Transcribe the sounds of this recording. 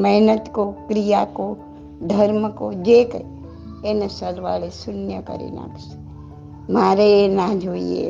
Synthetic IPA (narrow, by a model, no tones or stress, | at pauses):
mɛɦnət̪kokɾijako | d̪ʱəɾməkod͡ʒeːk | enesəɾʋa̰ːlesʊnjəkə̰ɾḛna̰ːks | maːɾeenaːd͡ʒʱoːiḛ